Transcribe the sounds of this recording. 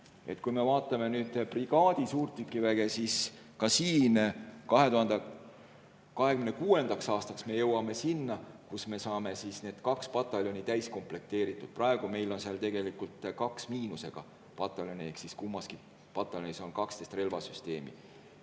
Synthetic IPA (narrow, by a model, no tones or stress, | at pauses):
e̞̰t̪kujme̞vɑːt̪ːˑɑme̞nyːd̪̥priɡ̥ɑːd̪̥isuːrt̪ːykːˑivæɡ̥e̞sis | kɑsiːnkɑɦe̞t̪uhɑnd̪e | kɑɦe̞kymnekuːe̞nd̪̥ɑksɑːst̪ɑksme̞jɤwɑme̞sinːɑkusme̞sɑːme̞sisne̞ːd̪̥kɑkspɑt̪ˑːɑljo̞nit̪æjsko̞mple̞k̚t̪e̞ːɾit̪ːˑud̪̥̚prɑe̞ɡ̥ume̞jlo̞nseɑlt̪e̞ɡ̥e̞likːult̪kɑksmiːnuse̞ɡ̥ɑ̰ | pɑt̪ːˑɑljo̞nʲieksiskumːɑski | pɑt̪ːˑɑlʲoniso̞nkɑkst̪est̪re̞lvɑsyst̪e̞ːmḭ